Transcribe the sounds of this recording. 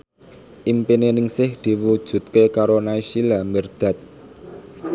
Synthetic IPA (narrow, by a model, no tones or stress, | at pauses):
ʔimpinenɪŋsɪhd̪̥i̤wud̥ʒ̥ṳt̪̚kekaɾonaiʃilambərd̪̥ä̤t̪̚